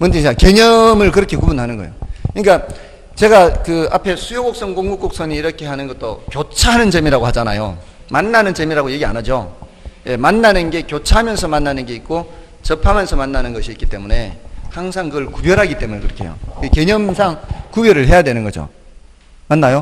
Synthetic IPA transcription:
mɯntʰiake̞ɲʌmɯɭkɯɾʌkʰe̞kubunɦanɯnɡʌ̰jo̰kɯɲik͈a | t͡ɕe̞ɡakɯapʰe̞sʰujoɡok̚s͈ʌŋkoŋɡuk͈ok̚s͈ʌniːɾʌkʰe̞ɦanɯnɡʌt͈okjot͡ɕʰaɦanɯnt͡ɕemiɾaɡohad͡ʑana̰jo̰ | manːanɯnt͡ɕe̞miɾaɡoje̞ɡia̰nad͡ʑo̰ | je̞manːanɯnɡe̞kjot͡ɕʰaɦamjʌnsʰʌmanːanɯnɡe̞ik͈o | t͡ɕʌpʰamjʌnsʰʌmanːanɯnɡʌɕʰiik͈it͈e̞mune̞haŋsʰaŋkɯɡʌɭkubjʌɾɦaɡit͈e̞munekɯɾʌkʰe̞̰jo̰eke̞ɲʌmsʰaŋkubjʌɾɯɭɦe̞jadwe̞nɯnɡʌd͡ʑo̰ | manːajo

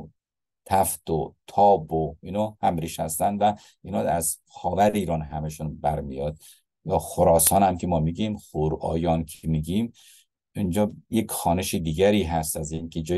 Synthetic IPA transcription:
t̪ʰæft̪ot̪ʰɒːboiːnɒːhæmɾiːʃhæst̪ænvæ | iːnɒːæz | xɒːvæɾeiːɾɒːnɦæmeʃunbæɾmijɒːd̪ | jɒːxoɾɒːsɒːnæmkʰemɒːmiɡimxuɾɒ̰ːjɒːnkʰemiɡiːm | ind͡ʒɒːjekxɒːneʃid̪iːɡæɾiːɦæst̪æzinkʰed͡ʒɒː

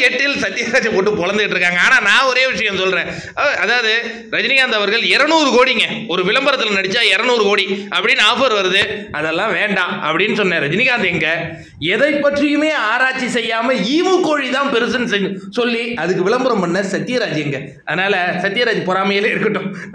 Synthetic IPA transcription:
kɛʈːɪlsɐt̪ːɪjɐɾaːd͡ʒɐpoːʈːɯpɔɭɐnd̪ɯɣɪʈːɾɯkːaːŋɡɐaːnaːnãːɔɾeːʋɪʂɐjɐ̃msɔlɾẽː | ɐðaːʋɐðɯ | ɾɐd͡ʒɪnɪɣaːnd̪ɐʋɐɾɣɐɭɛɾɐnuːɾɯkoːɽiŋɡɐɔɾɯʋɪɭɐmbɐɾɐt̪ːɯlɐnɐɽɪt͡ʃːaːɪɾɐnuːɾɯkoːɽiʔɐpːɐɽɪnːaːfɐɾʋɐɾɐðɯɐðɛlːãːʋeːɳɖãːɐpːɐɽɪnːɯsɔnːɐ̃ɾɐd͡ʒɪnɪɣaːnd̪ɛŋɡɐ | ɛðɐɪpːɐʈrɪjɯmeːaːɾaːt͡ʃːisɛjːaːmɐiːʋɯkoːɻit̪ãːpɛɾɯsɐnːsɛsɔlːiɐðɯkːɯʋɪɭɐmbɐɾɐmpɐɳːɐsɐt̪ːɪjɐɾaːd͡ʒɛŋɡɐ | ɐðɯnaːlɐsɐt̪ːɪjɐɾaːd͡ʒipɔɾaːmɐjɪleːɪɾɯkːɐʈːʊ̃

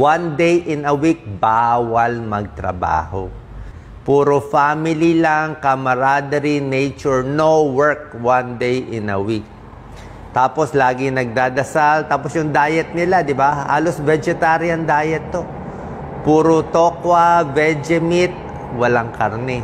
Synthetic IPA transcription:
wand̪ejʔɪnɐwik̚baːwɐlmɐɡ̚t̪ɾɐ̰ba̰ːho̰ | puːɾofaːmɪlilaŋkɐmɐɾaːd̪ɐɾinejt͡ʃʊɹnowɛɹk̚wand̪ejʔɪnɐ̰wik̚ | t̪aːpo̞slaːɡɪŋnɐɡ̚d̪aːd̪ɐsalt̪aːposjʊŋd̪aːjɛt̪̚nɪlad̪ɪbaha̰ːlosbɛd͡ʒɛt̪aːɾɪɐŋd̪aːjɛt̪ːo̞ | puːɾot̪oːkwɐvɛd͡ʒɛmɪt̪̚ | wɐlaŋkɐɾnɛ

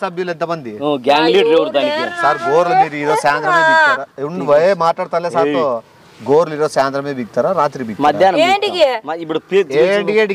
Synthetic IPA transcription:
sɐbʱjulent̪ɐbɐnd̪ioɡaːŋɡliːɖɾeʋɾt̪aːkesaːɾɡoːɾlɐmiːɾiːɾoːsaːnd̪ɾɐmebiɡ̚t̪aːɾauɳʋɐemaːʈlaːɽt̪aːnleːsaːɾt̪o | ɡoːɾliɾoːsaːnd̪ɾɐmebiɡ̚t̪aːɾaɾaːt̪ɾibiɡmɐd̪ʱjaːnɐeɖiɡemɐipːuɽupɾeɖieːɖ

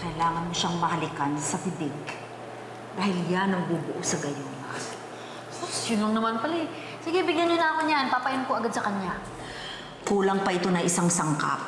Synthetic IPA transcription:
kɐɪlaːŋɐnmoʃaŋmɐhɐlɪkansɐpɪd̪ɪɡ | d̪aːhɪljanɐŋbuːbʊʔosɐɡɐjona̰ | osjʊnlɐŋnɐmanpɐlɛ | siɡɛbɪɡjanjʊnaːkonjanpaːpɐjɪnkoʔɐɡad̪sɐkɐɲja | kuːlɐŋpɐʔɪt̪o̞nɐʔɪsaŋsɐŋka̰p̚

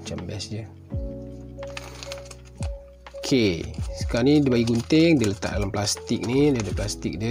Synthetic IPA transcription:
t͡ʃambɛsd͡ʒə | okʰesə̥kanidəbaiɡunt̪ɪŋdilət̪a̰ʔ̚dalamplast̪ɪk̚nidiadəplast̪ɪk̚də

